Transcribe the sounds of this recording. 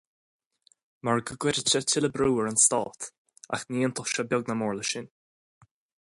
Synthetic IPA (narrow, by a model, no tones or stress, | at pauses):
maɹɡəɡwɪɾət͡ʃətʰɪləbɾuːəɹənst̪ɔ̰ːt̪ | a̰xniːənt̪ʰʊʃəbjɔɡnamɔːɹləʃɪn